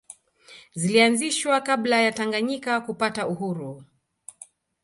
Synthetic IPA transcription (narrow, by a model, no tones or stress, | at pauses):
zilianziʃwakablajataŋɡaɲikakupatauhuɾu